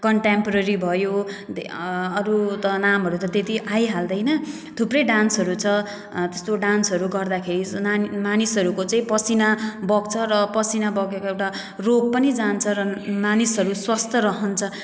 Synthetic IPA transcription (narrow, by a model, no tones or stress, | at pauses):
kʌɳʈempɾʌɾibʱʌjo | ʌɾut̪ʌnamɦʌɾut̪ʌt̪et̪iʔajɦald̪ʌjnʌ | t̪ʰuprʌjɖansʌɾut͡sʰʌ | t̪est̪oɖansɦʌɾuɡʌrd̪akʰeɾimanisʌɾukot͡saĩpʌsinabʌɡt͡sʰʌɾʌpʌsinabʌɡekoewʈa | roɡ̚pʌnid͡zant͡sʰʌɾʌmanisɦʌɾuswʌst̪ʌɾʌɦʌnt͡sʰʌ